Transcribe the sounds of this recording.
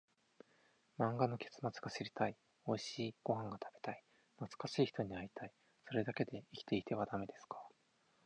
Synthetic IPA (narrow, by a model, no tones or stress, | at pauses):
mãŋɡano̞ke̞̥t͡sɨ̥mat͡sɨɡaɕiɾʲi̥t̪ai | o̞iɕiːɡ̥o̞ɦãŋɡat̪ʰab̥e̞̥t̪ai | nat͡sɨ̥kaɕiːçi̥t̪o̞ɲ̟iait̪ai | so̞ɾe̞d̪ake̞d̪e̞ikʲi̥t̪e̞it̪e̞βad̪ame̞d̪e̞sɨ̥kʰḁ